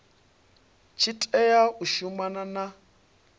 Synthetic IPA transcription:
t͡ʃʰitʼɛjauʃumanana

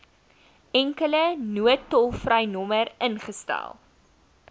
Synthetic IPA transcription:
ɛŋkələnuətɔlˠfrəjnɔməɾənχəstæ̰lˠ

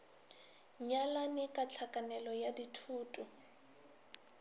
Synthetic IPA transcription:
ɲalanɪkʼat͡ɬʰakʼanɛlɔjaditʰuːtʼu

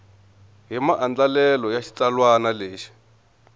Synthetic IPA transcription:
ɦimaʔand͡ɮalɛlɔjaʃi̥t͡salwanaleːʃi̥

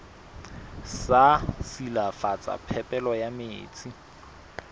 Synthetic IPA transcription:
sasilafat͡sʼa̰pʰɛpʼɛlɔjameːt͡sʼi

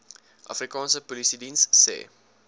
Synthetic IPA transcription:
ʔa̰frikɑ̃ːnsəpɔlisidĩnsːḛː

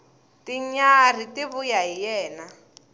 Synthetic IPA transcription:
tiɲar̤itiβujaɦijɛːna

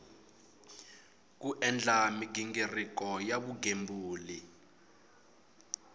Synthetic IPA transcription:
k̬uʔɛnd͡ɮamiɡiŋɡirik̬ɔjaɓuɡʱembuːli

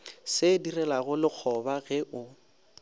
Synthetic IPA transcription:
sɪdirɛlaɣʊlɪk͡xʰɔbaɣɛʔʊ

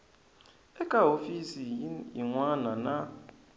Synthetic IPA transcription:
ɛkʼaɦofisijiŋwanana

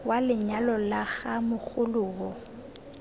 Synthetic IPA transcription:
walɪɲalɔlaɣamʊk͡xʊlʊːɣɔ

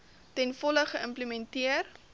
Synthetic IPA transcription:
tɛnfɔləχəəmpləmɛntiər

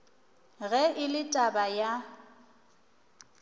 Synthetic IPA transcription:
ɣɛʔɪlɪtʼabaja

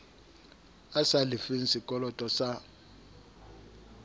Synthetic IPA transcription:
asalifin̩sikʼɔlɔtʼɔsa

